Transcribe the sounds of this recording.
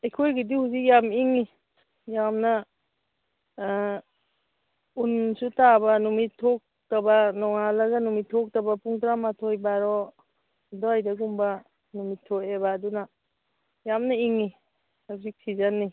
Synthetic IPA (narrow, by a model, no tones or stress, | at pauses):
ejkʰojɡidihuzik̚jamiŋi | jamna | unsutabanumitʰːɔk̚ | tabanɔŋalɐɡanumitʰːɔk̚tabapuŋtɾamatʰɔjbaɾɔ | dɔajdaɡumba | numitʰːɔkebaːduna | jamnaiŋi | azik̚sizanːi